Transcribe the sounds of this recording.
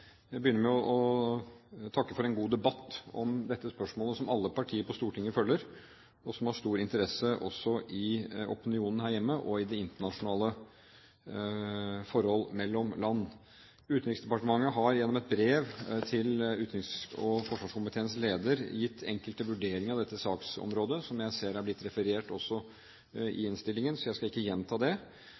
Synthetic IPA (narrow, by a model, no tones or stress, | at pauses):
jæɪbəjʏnːəɾmɛɔʔɔ | t̪ʰɑkːəfɔɾɛnɡuːd̪ɛbɑt̪ːɔmd̪ɛt̪ːəspœʂmoːləsɔmɑlːəpʰɑʈʰiːəɾpɔst̪uːʈʰɪŋːəfœlːəɾ | ɔsɔmhɑʂt̪uːɾɪnt̪əɾɛsəʔɔ̰sːɔʔɪɔpɪnɪuːnən̩hæːɾjɛmːəʔɔɪd̪ɛɪnt̪əɳɑʂʊnɑːlə | fɔɾhɔlːmɛlːɔmlɑnː | ʉːt̪nɾɪksd̪ɛpɑʈəmɑŋːəɦɑɾjɛnːɔmɛt̪̚bɾeːʋt̪ʰɪlʉːt̪ɾɪksɔfɔʂʋɑːʂkʊmpət̪ʰɛnsleːd̪əɾjɪt̪ʰːɛ̰ŋkəlt̪əʋʉɖeːɾɪŋɑʋd̪ɛt̪ːəsɑːksɔ̰mɾoːd̪əsɔmjæɪseːɾæblɪt̪ːɾɛfəɾeːʈɔsːɔ | ɪ̰ɪnst̪ɪlːɪŋənsɔjæɪskɑɪkːəjɛnːt̪ʰɑːd̪ɛ